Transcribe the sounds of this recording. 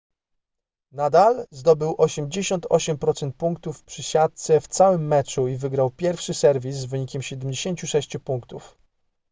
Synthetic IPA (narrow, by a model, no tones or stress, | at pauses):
nad̪alzd̪ɔbɘwʔɔɕɛmd͡ʑeɕɔnt̪ʰɔɕɛmpɾɔt̪sɛnt̪̚puŋkt̪ufpʂɘɕat̪̚t̪sɛft̪sawɘmːɛt͡ʂuivɘɡɾawpʲjɛɾfʂɘsɛɾvʲisːvɘɲikʲɛmɕɛd̪ɛmd͡ʑeɕeɲt͡ɕuʂɛɕt͡ɕupuŋkt̪uf